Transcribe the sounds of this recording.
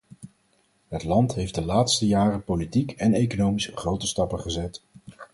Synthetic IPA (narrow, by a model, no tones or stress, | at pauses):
ɦətlɑntɦejfdəlaːtstəjaːrəpolitikɛnejkonowmisχrowtəstɑpəχəzɛt